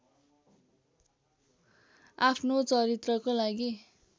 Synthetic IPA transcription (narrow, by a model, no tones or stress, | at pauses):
apʰnot͡sʌɾit̪rʌkolaɡi